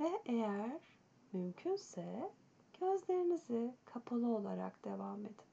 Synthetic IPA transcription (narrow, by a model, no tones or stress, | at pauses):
vɛʔejæɾ̥ | mymcʰynsɛ | ɟ̥øzlʲe̞ɾinizikʰapʰalˠɯo̞lˠaɾa̰kd̪̥e̞vame̞d̪i̥